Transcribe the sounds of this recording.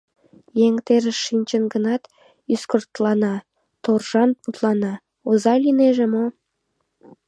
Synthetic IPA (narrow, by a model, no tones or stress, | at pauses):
jeŋt̪eɾəʃːinʲt͡ɕənɡənɑt̪ | yskərt̪lɑnɑ | t̪orʒɑnput̪lɑnɑ | ozɑlʲineʒemo